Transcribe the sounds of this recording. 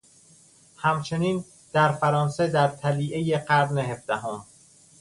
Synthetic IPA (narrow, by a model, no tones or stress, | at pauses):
hæmt͡ʃʰe̞niːn | d̪̥æɾfæɾɒːnsed̪æɾt̪ʰæliːʔejeɢæɾnehe̞fd̪̥æɦom